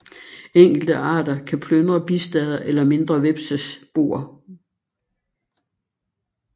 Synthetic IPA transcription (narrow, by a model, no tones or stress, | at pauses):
eŋ̰ɡ̥l̩d̥əʔɑ̰̈ːdɐkʰæpʰlønʁɐb̥isd̥ɛð̞ˠɐʔelɐme̝nd̥ʁɐʋeb̥səsb̥o̝̰ːɐ